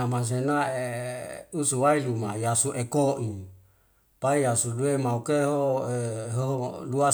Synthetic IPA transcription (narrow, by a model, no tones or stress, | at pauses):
amas̬enae | usuwailumajasuʔekoʔi | paijasuduemaukeɦoeɦoɦolua